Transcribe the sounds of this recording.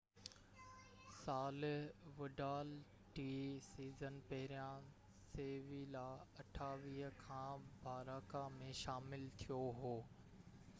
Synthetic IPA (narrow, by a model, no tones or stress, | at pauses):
saːlɪʋʊɖaːl | ʈiːsiːzənpɐɦɪɾijã | seːʋilaːɐʈʰaːʋiːɦəkʰãːbʱaːɾaːkamẽʃaːmɪlt̪ʰijoɦoː